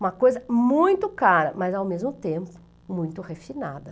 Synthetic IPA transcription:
ũmɐkojzɐmũj̃t̪ʊkaɾɐ̰mɐzawmezmʊt̪ẽmpʊ̥ | mũj̃t̪ʊhefina̰d̪ɐ

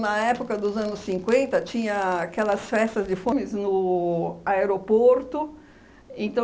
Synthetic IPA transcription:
nɐɛpʊkɐd̪ʊzɐ̃nʊssĩŋkwẽnt̪ɐt͡ʃĩɲɐakɛlɐsfɛst̪ɐzd͡ʒɪfõmɪznʊ | aeɾopoɾt̪ʊ | ẽnt̪ɐ̃

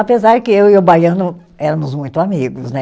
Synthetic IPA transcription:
apezaɾd͡ʒɪkɪewiobajɐ̃nʊ | ɛɾɐ̃mʊzmũj̃t̪ʊamiɡʊznɛ

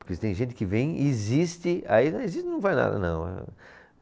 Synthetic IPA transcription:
pʊɾkesɪ̥t̪ẽj̃ʒẽnt̪ɪkɪvẽj̃izist̪ɪainezist̪ɪnɐ̃w̃vajna̰d̪ɐ̰nɐ̰̃w̃ɛ̰

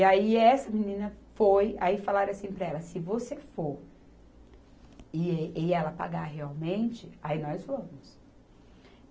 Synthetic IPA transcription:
aiɛsɐminĩnɐfojaifalaɾɐasĩpɾɐɛlɐsɪvosefoɾ | ɪeɪɛlɐpa̰ɡaɦeawmẽnt͡ʃɪainɔzfɐ̃mʊs

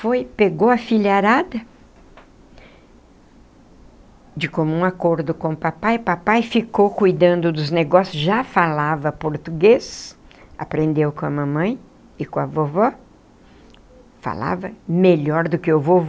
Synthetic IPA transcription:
fojpeɡowɐfiʎaɾad̪ɐ | d͡ʒɪkõmʊũakoɾd̪ʊkõʊpapajpapajfikowkujd̪ɐ̃nd̪ʊd̪ʊzneɡɔsjʊzʒafalavɐpoɾt̪uɡesa̰pɾẽnd̪ewkõɐmɐ̃mɐ̃j̃ | ɪkõɐvovɔ | fa̰la̰vɐmeʎɔɾd̪ʊkɪovov

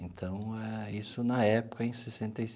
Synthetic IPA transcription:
ẽnt̪ʰɐ̃w̃ɛisʊnɐɛpʊ̥kɐẽj̃sesẽnt̪ejs

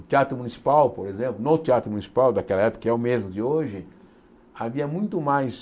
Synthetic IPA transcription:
t̪iat̪ɾʊmũnisi̥pawpoɾezẽmplʊnot̪iat̪ɾʊmũnisi̥pawd̪akɛlɐɛpo̥kɛʊmezmʊd̪ɪoʒɪ | aviɐmũj̃t̪ʊmajs

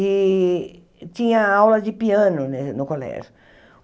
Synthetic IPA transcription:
ɪ | t͡ʃ̪ĩɲɐ̃awlɐzdɪpiɐ̃nʊnenʊkolɛ̰ɾ

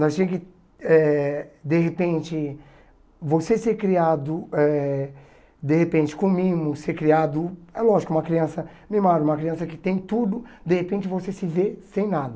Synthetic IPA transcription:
nɔst̪ẽj̃kɪ | ɛd̪eɦepẽnt͡ʃɪ | voseseɾkɾiad̪ʊɛ | d̪ehepẽnt͡ʃɪ̥kõmĩmʊsseɾkɾiad̪ʊɛlɔʒikʊũmɐkɾiɐ̃sɐ | mɪmaɾũmɐkɾiɐ̃sɐkɪt̪ẽj̃t̪ud̪ʊd̪ehepẽnt͡ʃɪvosesɪvesẽj̃nad̪ɐ

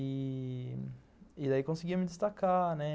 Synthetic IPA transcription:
i | ɪd̪aikõsɪiɡiɐmɪd̪ɪst̪akanɛ

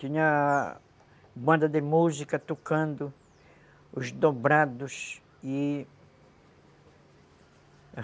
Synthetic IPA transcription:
t̪iɲa | bãnd̪ad̪emuzikat̪okãnd̪ʊ | uʃd̪obɾad̪us | i

